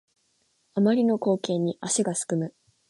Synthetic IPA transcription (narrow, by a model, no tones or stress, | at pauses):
amaɾʲino̞ko̞ːkẽ̞ɲ̟ːiʔaɕiɡasɨ̥kɯ̟mɯ̟